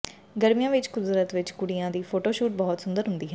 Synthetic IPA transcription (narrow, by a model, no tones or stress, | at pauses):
ɡəɾmijãːʋɪt͡ʃkʊd̪ɾət̪ʋɪt͡ʃkʊɽijãːd̪iːpʰoːʈoːʃuːʈ̚bɔːt̪sʊnd̪əɾɦʊnd̪iːɦɛ̃ː